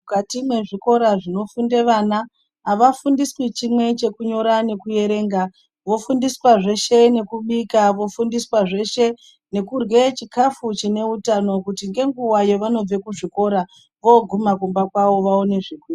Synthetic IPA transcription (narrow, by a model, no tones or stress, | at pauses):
mukatimwe̞ʐiko̞ɾaʐino̞funde̞ʋanaː | ʋafundiswit͡ʃimwe̞t͡ʃe̞kuɲo̞ɾane̞kuje̞ɾe̞ːŋɡa | ʋo̞fundiswaʐe̞ʃe̞ne̞kuɓikaʋo̞fundiswaʐe̞ʃe̞ | ne̞kurwe̞t͡ʃikafut͡ʃine̞utano̞kutiŋɡe̞ŋɡuwajo̞ʋano̞b͡ve̞kuʐiko̞ɾa | ʋo̞ɡʱumakumbakwaʋo̞ʋaone̞ʐikwi